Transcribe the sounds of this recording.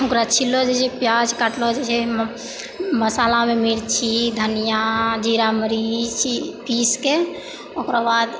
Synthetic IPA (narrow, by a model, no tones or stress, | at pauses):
okɾat͡ʃʰilːod͡ʒet͡ʃʰɛpjad͡ʒkaʈlod͡ʒet͡ʃʰɛ | məsalamemilt͡ʃʰid̪ʱənijad͡ʒiɾaməɾit͡ʃʰipiske | okɾabad̪